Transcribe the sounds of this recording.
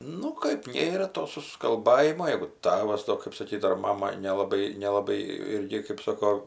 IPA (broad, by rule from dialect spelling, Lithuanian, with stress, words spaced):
ˈnʊ kɐɪp ˈnʲeːrɐ toː sʊskɐlˠˈbɑːjɪmoː ˈjɛɪɡʊ ˈtɑːʋɐs toː kɜp sɐˈkʲiːt ɐr ˈmɑːmɐ nʲɛlˠɐˈbɐɪ nʲɛlˠɐˈbɐɪ ˈɪrʲɡʲɪ kɜp ˈsoːkoː